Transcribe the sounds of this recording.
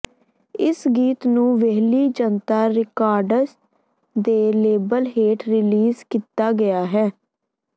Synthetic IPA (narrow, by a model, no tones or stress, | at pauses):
ɪsɡiːt̪nũːʋeɦliːd͡ʒənt̪aːɾɪkaːɾɖəs | d̪eːleːbəlɦeːʈɾɪliːzkiːt̪aːɡɪjaːɦɛː